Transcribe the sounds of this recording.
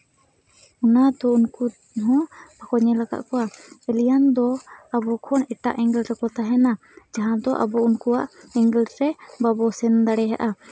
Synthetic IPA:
ɔnad̪ɔunku | ɦɔ̃bakɔɲɛlaɡa̰ʔkɔwaɛlijand̪ɔabɔkʰɔnɛʈa̰ʔɛŋɡɛlɾɛkɔt̪aɦɛna | d͡ʒaɦãd̪ɔʔa̰bɔunkuaʔɛŋɡɛlɾɛbabɔsɛnd̪aɽɛɦa̰ʔa

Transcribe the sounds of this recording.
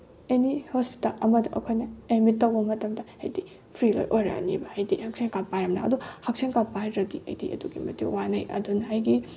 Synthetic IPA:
enihospi̥tɐlɐmɐdɐʔɐ̰kʰoɐjnɐemit̚ːɐwbɐmɐtɐmdɐha̰jdi | pʰɾilo̰jʔojɾɐ̰nḭbɐhajdihɐk̚seŋkapajɾɐmna̰ɐ̰duhɐk̚seŋkapajɾɐdiʔɐ̰jdḭɐ̰duɡimɐtiwanɐjʔɐ̰dunɦajɡi

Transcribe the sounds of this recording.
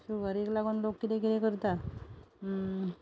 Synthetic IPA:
suɡəɾiklaɡonlokt̪id̪ekiɾekəɾt̪a

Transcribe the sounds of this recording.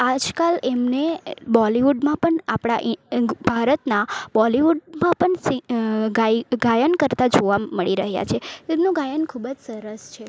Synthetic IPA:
ad͡ʒkalemnebɔliʋuɖmãpəɳapɽ̃aʔbʱaɾət̪nabɔliʋuɖmãpəɳsiɡaɡajənkəɾt̪ad͡ʒoʋaːəɭiɾəɦja̰t͡ʃʰet̪emnũɡajənkʰubəd͡ʒsəɾəst͡ʃʰe

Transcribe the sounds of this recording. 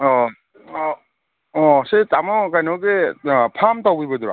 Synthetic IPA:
ɔ | ɔsetamɔkajnɔɡepʰamtawbibɐduɾa̰

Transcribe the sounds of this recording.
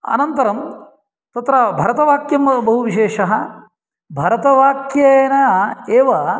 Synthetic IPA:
ɐ̰nɐnt̪ɐɾɐm | t̪ɐt̪ɾɐbʱɐɾɐt̪ɐʋaːkjɐmbɐɦuʋiʃeːʃɐɦɐ | bʱɐɾɐt̪ɐʋaːkjɐnɐɐeːʋɐ

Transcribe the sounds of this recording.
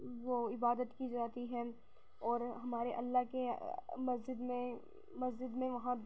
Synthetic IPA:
ʋoɪbaːd̪ət̪kid͡ʒaːt̪iɦɛː | ɔːɾɦɐmaːɾeʔɐlːaɦkemɐzd͡ʒɪd̪mẽ | mɐzd͡ʒɪd̪mẽʋɐɦã

